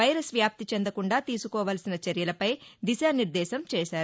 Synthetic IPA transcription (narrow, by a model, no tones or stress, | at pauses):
ɐjɾɐsʋjaːp̚t̪it͡ʃend̪ɐkuɳɖaːt̪iːsukɔːʋaːlsinɐt͡ʃɐɾjɐlɐpɐjd̪iʃaːniɾd̪ɛːʃɐmt͡ʃɛːʃaːɾu